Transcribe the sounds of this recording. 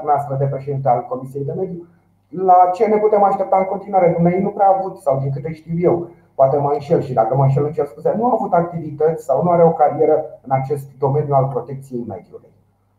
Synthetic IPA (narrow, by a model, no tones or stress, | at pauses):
nast̪ɾəd̪e̞pɾe̞ʃe̞d̪int̪̬ealko̞misije̞jd̪e̞me̞d̪ju | lat͡ʃe̞ne̞put̪e̞maʃt̪e̞p̚t̪aɨŋko̞nt̪inwaɾed̪unejejnupɾeaːvut̪sawd̪iŋk̬ɨt̪əʃt̪iwje̞w | poat̪e̞majʃe̞lʃid̪akəmajʃ̬elɨnʃelspusenuaːvut̪ak̚t̪ivit̪ət̪sʲsawnuaɾeokaɾie̞ɾəɨnat͡ʃe̞st̪d̪o̞me̞njualpɾo̞t̪e̞k̚t̪sijejme̞̰d̪juluj